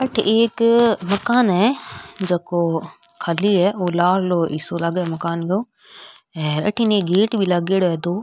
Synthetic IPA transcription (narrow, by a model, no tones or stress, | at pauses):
ɐʈʰʔeːkmɐkaːnɦɛd͡ʑeːko | kʰaliɦɛolaːɾloːḭsolaɡɛmɐkaːnɡɐõː | ɛ̃ːɾɐ̰ʈʰinẽːɡeːʈbʱilaɡeːɽoɦɛd̪oː